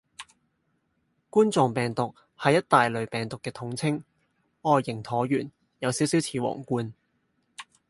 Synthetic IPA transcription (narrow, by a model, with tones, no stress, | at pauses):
kuː˥nt͡sɔː˨ŋpɛː˨˩ŋt̪ʊ˨k̚ | hɐ˨jːɐ˥t̚t̪aː˨jlɵ˨˩ɥpɛː˨˩ŋt̪ʊ˨kːɛː˧t̪ʰʊ˨˥ŋt͡sʰɪ˥ŋ | ɔː˨˧jːɪ˨˩ŋt̪ʰɔː˨˥jyː˨˩n | jɐ˨˧wsiː˨˥wsiː˨˥wt͡sʰiː˨˧wɔ̰ː˨˩ŋkuː˧n